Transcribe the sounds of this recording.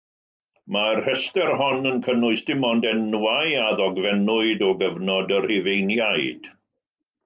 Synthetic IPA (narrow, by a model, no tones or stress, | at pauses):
marhɛstɛrhɔnənkʰənʊɨsd̥ɪmɔndɛnwaɨaðɔɡvɛnʊɨdɔɡəvnɔdər̥hɪvejnjaɨd̥